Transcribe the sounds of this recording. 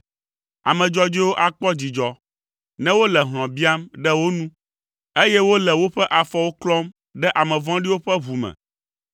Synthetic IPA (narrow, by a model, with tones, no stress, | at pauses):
a̰˨mɛ̃˨d͡ʒɔ˦d͡ʒi˦wo˦ʔa˨k͡pɔ˦d͡ʑi˨d͡ʒɔ˨ | nɛ̃˦wo˦lɛ˨ɦl̃ɔ̃˨bi˦a˦mɖɛ˦wo˦nũ˦ | e˦jɛ˦wo˦lɛ˨wo˦ɸɛ˦ʔa˨fɔ˦wo˦klɔ˦m | ɖɛ˦ʔa˨mɛ̃˨vɔ̃˦ɖi˦wo˦ɸɛ˦ɦu˨mɛ̰˨